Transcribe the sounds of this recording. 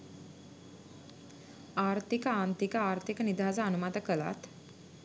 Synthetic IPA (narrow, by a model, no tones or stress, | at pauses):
aɾt̪ʰikəãnt̪ikəaɾt̪ʰikənid̪ʱad͡zaənumat̪əkəla̰t̪